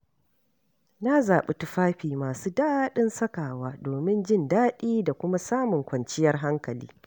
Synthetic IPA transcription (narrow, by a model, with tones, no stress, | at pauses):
na˦zaː˨ɓe˦tʊ˦ɸaː˦ɸiː˨maː˨suː˦daː˦ɗɪ˦nsɐ˦kaː˨waː˦doː˨mɪ˦nd͡ʒɪ˦˨ndaː˦ɗiː˦da˨kʷʊ˦ma˦saː˦mʊ˨ŋkʷɐ˨nt͡ʃɪ˦jɐ˦rɦa˦ŋkɐ˨lḭː˦